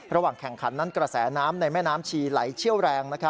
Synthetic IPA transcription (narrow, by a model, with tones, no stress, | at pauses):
ɾa˧waː˨˩ŋkʰɛ˨˩ŋkʰa˩˦nːa˦˥nkɾa˧sɛː˩˦naː˦˥mna˧jmɛː˥˩naː˦˥mt͡ɕʰiː˧la̰˩˦jt͡ɕʰi˥˩əwɾɛː˧ŋna˦˥kʰa˦˥